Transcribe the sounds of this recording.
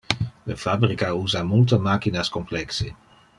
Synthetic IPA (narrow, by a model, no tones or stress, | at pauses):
ləfabɾrikauːzamult̬əmaːkinaskɔmplɛkse